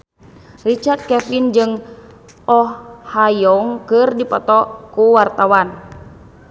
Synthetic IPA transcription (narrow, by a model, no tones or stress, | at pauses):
rit͡ʃart̪̚kɛfind͡ʒɨŋ | ɔhhajɔŋkɨrdipɔt̪ɔkuwart̪awan